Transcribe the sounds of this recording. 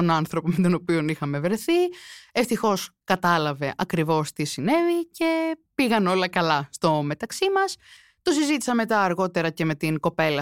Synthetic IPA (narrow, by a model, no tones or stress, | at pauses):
onɐnθɾo̞pomet̪ono̞pio̞nixɐme̞vɾe̞θieft̪ixo̞skɐt̪ɐlɐve̞ʔɐkɾivo̞st̪isine̞vice̞piɣɐno̞lɐkɐlɐst̪o̞me̞t̪ɐksimɐs | t̪osizit̪i̥sɐme̞t̪ɐːɾɣo̞t̪e̞ɾɐce̞me̞t̪iŋko̞pe̞lɐ